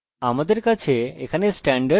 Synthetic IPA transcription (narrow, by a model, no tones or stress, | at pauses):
amad̪eɾkat͡ʃʰeːkʰanesʈɛɳɖə